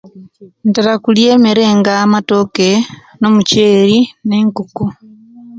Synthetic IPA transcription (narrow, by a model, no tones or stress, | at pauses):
ntaɾakuljeːmeɾe̞ːŋɡaːmato̞ke | no̞muceːɾineːŋkuku